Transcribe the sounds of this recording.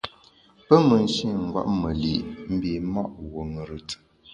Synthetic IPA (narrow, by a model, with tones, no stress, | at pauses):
pə˦mə˨n̩˦ʃi˦˨ŋ̩˨ɡwa̰˦ʔmə˨lḭ˨ʔm̩˦bi˨˦mɔ˦ʔwo˨ŋə˨ɾɨ˨tə̥˨